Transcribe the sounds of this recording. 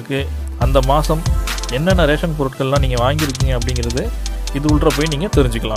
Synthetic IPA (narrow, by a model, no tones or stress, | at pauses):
ɯkːɯ | ɐnd̪ɐmaːsɐm | ɛnːɐnːɐɾeːʂɐnpɔɾɯʈkɐɭlãːniːŋɡɐʋaːŋɡɪɾɯk̬ːiːŋɡɐɐpːɐɽɪŋɡɪɾɐðɯ | ɪðɯʊɭʈrɐpoːjniːŋɡɐt̪ɛɾɪɲd͡ʒɯkːɐlãː